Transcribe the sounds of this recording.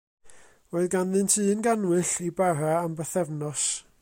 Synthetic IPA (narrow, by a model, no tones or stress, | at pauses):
roɨðɡanðɨntʰɨːnɡanwɨɬibaɾaːmbəθɛvnɔs